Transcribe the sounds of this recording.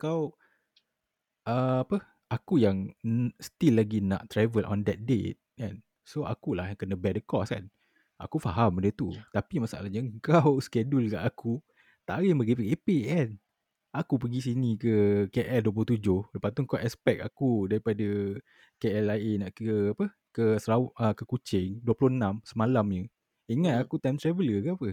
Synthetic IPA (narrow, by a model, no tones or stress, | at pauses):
kaw | əapə | akujaŋst̪ilːaɡina̰ʔt̪ːɾavəlʔɔ̰̃ndɛt̪̚dḛt̪̚kan | soa̰kulahjaŋkənə̃bɛdəkɔska̰n | a̰kufaɦamdət̪ut̪apimasa̰ʔa̰lahɲaəŋkawskɛdʊlka̰ʔaku | t̪aʔɾɪmbəɡipəɡepekɛn | akup̬əɡisinikəkeʔɛlduəploht̪ud͡ʒʊhdəpat̪uŋkaʔɛspɛk̚a̰kudaɾipadə | keɛlaɪnaʔkəapə | kəsəɾaʔəkəkut͡ʃɪŋduəploənãmsəmalamɲə | iŋãt̪̚akut̪ajmt̪ɾɛvələkaapə